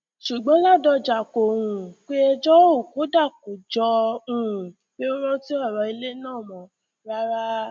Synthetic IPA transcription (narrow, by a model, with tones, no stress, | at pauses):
ʃu˨ɡ͡bɔ̃˨˦la˦˨dɔ˧d͡ʒa˨kõ˨ũ˨k͡pe˦ɛ˧d͡ʒɔ˦o˦˨ko˨˦da˦˨ko˨d͡ʒɔ˧ũ˨ũ˨ | k͡pe˦o˦ɾ̃ɔ̃˦ti˦ɔ˦˨ɾɔ˧i˧le˦nãː˦˨mɔ̃˨ | ɾa˦ɾa˦